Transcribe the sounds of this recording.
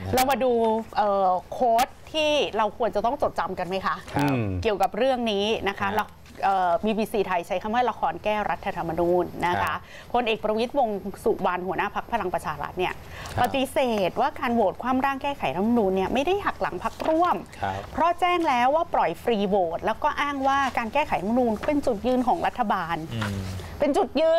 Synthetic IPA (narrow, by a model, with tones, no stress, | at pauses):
lɛ˧˥wmaː˧duː˧ʔɤː˨˩kʰoː˦˥t̪̚ʰːiː˥˩ɾa˧wkʰu˧ənt͡ɕa˨˩t̪ɔ˥˩ŋt͡ɕo˨˩t̪̚t͡ɕa˧mka˧nma˦˥jkʰa˦˥ʔki˨˩əwka˨˩p̚ɾɯ˥˩əŋniː˦˥na˦˥kʰa˦˥lɛ˦˥w | ʔɤː˨˩biː˧biː˧siː˧t̪ʰa˧jt͡ɕʰa˦˥jkʰa˧˥˩mwaː˥˩la˧kʰɔː˧nkɛː˥˩wɾa˦˥t̪ʰːa˧a˧mːa˧nuː˧nːa˦˥kʰa˦˥ | pʰo˧nʔeː˨˩k̚pɾa˧wi˦˥t̪̚wo˧ŋsu˨˩wa˧nhu˩˦ənaː˥˩pʰa˦˥k̚pʰa˧la˧ŋpɾa˧t͡ɕʰaː˧ɾa̰˦˥t̪̚ni˥˩ɐ | pa˨˩t̪i˧˦seː˨˩˨t̪̚waː˥˩kaː˧nwoː˨˩t̪̚kʰwaː˧mɾaː˥˩ŋkɛː˥˩kʰa˨˩˦jna˦˥t̪̚ma˧nuː˧nːi˥˩ɐma˥˩jda˥˩jɦa˨˩k̚la̰˩˦ŋpʰa˦˥k̚ɾu˥˩əm | pʰɾɔ˦˥t͡ɕɛː˥˩ŋlɛː˦˥wːaː˥˩pɾɔ˨˩jfɾiː˧woː˨˩t̪̚lɛː˦˥wkɔː˥˩ʔaː˥˩ŋwaː˥˩kaː˧nkɛː˥˩kʰa˨˩˦jnʰa˦˥ma˧nuː˧nkpe˧nt͡ɕu˨˩t̪̚jɯː˧nkʰɔː˩˦ŋɾa̰˦˥t̪ʰːa˧baː˧n | pe˧nt͡ɕu˨˩t̪̚jɯː˧n